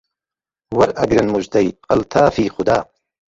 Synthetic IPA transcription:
wɐɾʔɐɡɾɐnmud͡ʒd̪ɐjqɐlt̪ʰaːfiːxʊd̪aː

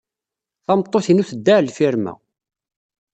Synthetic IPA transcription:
θɑmt̪ˤːoθinuθəd̪ːælfiɾmæ̰

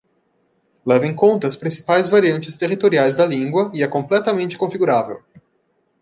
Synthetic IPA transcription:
lɛvẽkõnt̪ɐʊspɾĩsi̥pajzvaɾiɐ̃nt͡ʃɪst̪eʁit̪oɾiajzd̪ɐlĩŋɡwɐɪɛkõplɛt̪ɐmẽnt͡ʃɪ̥kõfiɡuɾavḛw

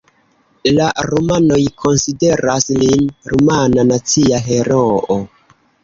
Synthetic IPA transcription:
laɾumano̞jkʰo̞nside̞ɾaslinɾumananat͡siaɦe̞ɾoo

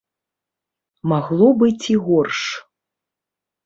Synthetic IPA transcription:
maɣlˠɔbɨt͡sʲiɣɔrʂ

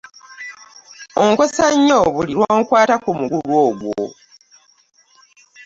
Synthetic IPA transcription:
oŋkosaɲːo̞ːβuliɾwaoːŋkwaːtakumuɡulwo̞ːɡwo̰

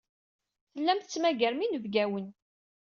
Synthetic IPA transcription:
θəlːæmθə̥t͡sːmæɡæɾminəvɡæwən

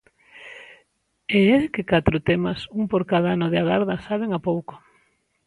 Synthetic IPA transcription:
eeðkɪkat̪ɾʊt̪emɐsuŋpoɾkaðaanʊðeaɣaɾðasaβeŋapowkʊ̥

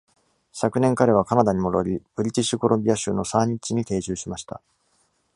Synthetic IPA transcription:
sakɯ̟nẽ̞ŋkaɾe̞β̞akanad̪aɲ̟imo̞ɾo̞ɾʲib̥ɯ̟ɾʲit͡ɕiɕiko̞ɾõ̞mbʲiaɕɨːno̞sãɲ̟it͡ɕiɲ̟it̪e̞ːʑɨːɕimaɕi̥t̪a̰

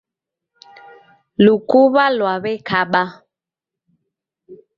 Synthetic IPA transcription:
lukuβalwaβɛkʰaɓa

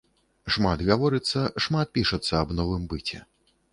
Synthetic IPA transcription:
ʂmat̪ɣavɔɾɨt̪sːɐʂmat̪̚pʲiʂɐt̪sːɐːbnɔvɨmbɨt͡sʲɛ

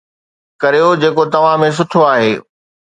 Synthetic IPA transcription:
kɐɾijod͡ʑeːkot̪ɐʋ̤ãmẽs̬ʊʈʰoaːɦeː

